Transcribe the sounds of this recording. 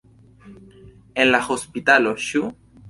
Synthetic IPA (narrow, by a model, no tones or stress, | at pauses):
enlaxospit̪aloʃu